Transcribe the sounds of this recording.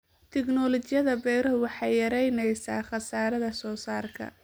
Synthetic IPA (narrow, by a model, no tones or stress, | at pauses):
t̪ʰɪɡnɔːlɔt͡ʃɪjɐðɐbɛɾɔʊwɑħɑjjɐɾɛjnɛjsaːχɑsaːɾɐðɐsɔːsaːrkʰɐ̰